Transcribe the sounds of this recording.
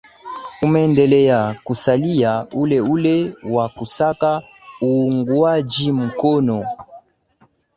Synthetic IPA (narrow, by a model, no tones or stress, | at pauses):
umɛndɛlɛjakusalijaulɛulɛwakusaka | uŋɡwad͡ʒim̩kɔnɔ